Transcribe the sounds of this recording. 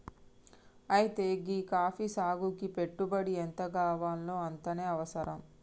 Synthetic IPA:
ɐjit̪e̞ːɡiːkaːfisaːɡukipe̞ʈːubɐɽiɛnt̪ɐɡaːʋaːnlo̞ːɐnt̪ɐneːɐʋɐsɐɾɐm

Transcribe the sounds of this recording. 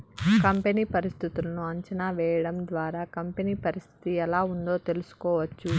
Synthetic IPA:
kɐmpeniːpɐɾist̪ʰit̪ulɐnuɐɲt͡ʃɐnaːʋɛːjɐɽɐmd̪ʋaːɾaːkɐmpeniːpɐɾist̪ʰi̥t̪iɛlaːund̪o̞ːt̪e̞lusu̥kɔːʋɐt͡ʃːu

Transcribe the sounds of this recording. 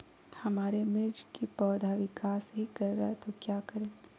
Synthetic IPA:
hɐmaːɾemɪɾd͡ʒkipɔːd̪ʱaʋɪkaːsɦikɐɾːɦɛt̪okjaːkɐɾẽː

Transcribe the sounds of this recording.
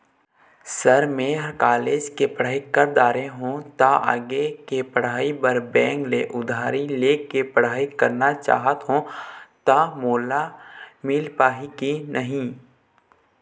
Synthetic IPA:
səɾmẽɦkaːleːd͡ʒkepəɽ̤aːikəɾd̪aːɾẽɦõt̪aʔə̰ɡekepəɽ̤aːibəɾbɛ̃ːŋɡleʔʊd̪ʱaːɾileːkepəɽ̤aːikəɾnat͡ʃa̰ːɦət̪ɦõt̪amoːlamɪlpaːɦikinʔəɦĩ

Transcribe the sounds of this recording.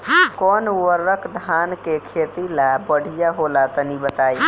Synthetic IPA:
kɔːnuwəɾːəkʰd̪ʱaːnkekʰeːt̪ilabəɽ̤ʱijaɦolat̪ɔnibət̪aːi

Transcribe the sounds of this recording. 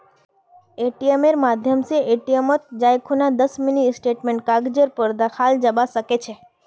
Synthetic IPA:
eʈijemeɾmad̪ʱjəmseʔeʈijemot̪̚d͡ʒajkʰonad̪əsminisʈeʈmeɳʈ̚kaɡd͡ʒəɾpəɾd̪əxʰald͡ʒəbasəket͡ʃʰe

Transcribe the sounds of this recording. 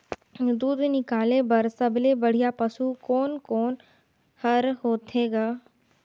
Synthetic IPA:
d̪uːd̪nɪkaːlebɐɾsɐblebɐɽ̤ijapɐsukɔːnkɔːn | hɐɾɦoːt̪ʰeːɡaː

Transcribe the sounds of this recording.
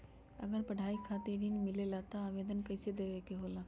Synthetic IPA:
ə̰ɡəɽpɐɽ̤ʱaːikʰat̪iɾiːnmɪlelat̪aaʋed̪ənkɐjsed̪eʋekeɦoːla

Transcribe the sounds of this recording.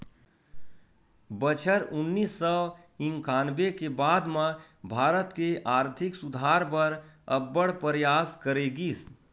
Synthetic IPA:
bət͡ʃʰəɾʊnːiːsːɔ | ɪ̃ŋkaːnbekebaːd̪mã | bʱaːɾət̪keʔaːɾt̪ʰɪksʊd̪ʱaːɾpəɾəbːəɽpəɾjaːskəɾeːɡiːs

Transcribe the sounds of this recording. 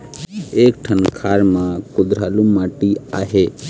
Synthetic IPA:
ek̚ʈʰənkʰaːɾmãkʊd̪ɾaːlumaːʈia̰ːɦe

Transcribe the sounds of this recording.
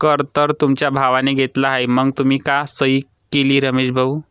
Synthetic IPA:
kəɾt̪əɾt̪umt͡ɕjabʱaʋaneɡʱet̪laɦajməɡt̪um̤iːkasəi | keliːɾəmeɕbʱəw

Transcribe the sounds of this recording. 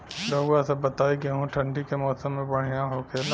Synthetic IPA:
d̪ɐuasɐbɐt̪aːikeɦũʈʰɐ̃ɳɖʱikemɔːsəmːẽbɐɽ̤̃ijãɦokʰel

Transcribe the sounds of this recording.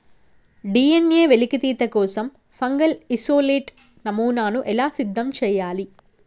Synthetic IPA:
ɖiːeneːʋelikit̪iːt̪ɐkɔːsɐm | fɐŋɡɐlisoːleːʈ | nɐmuːnaːnuʔɛlaːsid̪ʱːɐmt͡ʃɛːjaːli

